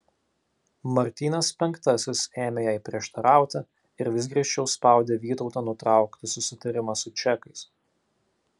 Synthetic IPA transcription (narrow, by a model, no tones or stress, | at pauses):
mɐɾʲt̪ʲiːnɐspʲɛŋkt̪ɐsʲɪseːmʲejæɪpʲɾʲiɛʃt̪ɐɾɑˑʊt̪ʲɐ | ɪɾʋʲɪsɡɾʲiɛʃʲt͡ʃʲɛʊspɑˑʊd̪ʲeːʋʲiːt̪ɒʊt̪ɑːnʊt̪ɾɑˑʊkt̪ʲɪsʊsʲɪt̪ɐɾʲɪmɐsʊt͡ʃʲɛkɐɪs